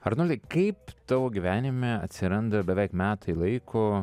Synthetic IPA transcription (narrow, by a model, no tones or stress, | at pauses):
ɐɾnoːlʲɛkɐɪpt̪ɑʋoːɡʲiʋʲæːnʲɪmʲeɐt̪ʲsʲɪɾɐnd̪ɐbʲɛʋʲɛɪkmʲæːt̪ʰɐɪlˠɐɪkʰo